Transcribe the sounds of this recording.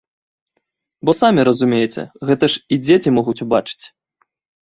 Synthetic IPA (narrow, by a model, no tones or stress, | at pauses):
bɔsamʲiɾɐzumʲejɛt͡sʲɛ̰ɣɛt̪ɐʂid͡zʲet͡sʲimɔɣut͡sʲubat͡ʂɨ̥t͡sʲ